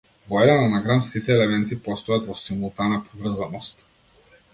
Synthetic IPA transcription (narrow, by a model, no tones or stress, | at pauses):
vɔɛd̪ɛnanaɡɾamsit̪ɛːlɛmɛnt̪ipɔst̪ɔjat̪vɔsimulˠt̪anapɔvr̩zanɔst̪